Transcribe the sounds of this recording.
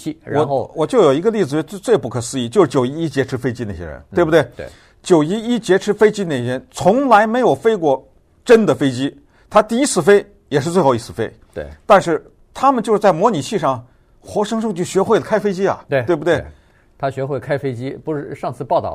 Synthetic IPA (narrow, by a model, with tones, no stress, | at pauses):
i˥˩ɻa˧ɔ˨˩xo˥˧ʊwɔ˨˩t͡ɕjo˥˩ʊjo˨˩ʊi˧˥ɡə˧li˥˩d͡zɹ̩˩˥˧t͡st͡swe˥˧ɪpu˥˩kʰɤ˨˩sɹ̩˥i˥˩t͡ɕjo˥˧ʊʂɻ̩˥˩t͡ɕjo˨˩ʊi˥i˥t͡ɕjɛ˧˥ʈ͡ʂʰɻ̩˥fe˥ɪt͡ɕi˥na˥˩ɕjɛ̰˥ɻə̰˧˦nt̪e˥˩ɪbu˩t̪we˥˩ɪ˧˩ | t͡ɕjo˨˩ʊi˥i˥t͡ɕjɛ˧˥ʈ͡ʂʰɻ̩˧˥fe˥ɪt͡ɕi˥ne˧˩˧nt͡sʰʊ˧˥ŋla˧˥ɪme˧˥ɪjo˨˩ʊfe˥ɪkwɔ˥˩ | ʈ͡ʂə˥nd̪ə˨fe˥ɪt͡ɕi˥ | t̪ʰa˥t̪i˥˧i˥t͡sʰɹ̩˥˩fe˥ɪ | jɛ˨˩ʂɻ̩˥˧t͡swe˥˧xɑ˧˩i˥t͡sʰɹ̩˥˩fe˥ɪ˧˩ | t̪a˥˧nʂɻ̩˥˩ | t̪ʰa˥mə˨nt͡ɕo˥˧ʂɻ̩˥˧t͡s̬ɪmwɔ˧˥ni˨˩t͡ɕʰi˥˧ʂɑ˥˩ŋ | xwɔ˧˥ʂɤ˥ŋʂɤ˥˧ŋt͡ɕʰy˥˩ɕɥɛ˧˥xwe˥˩ɪə˩kʰa˥ɪfe˥ɪt͡ɕi˥ɐ̰˨˩˧we˥˩bu˩we˥˩ | t̪ʰa˥ɕɥɛ˧˥xwe˥˩kʰa˥ɪfe˥ɪt͡ɕi˥pu˧˥ʂɻ̩˥˩ʂɑ˥˧ŋt͡sʰɹ̩˥˧pɑ˥˧ʊt̪ɑ̰˥˩˦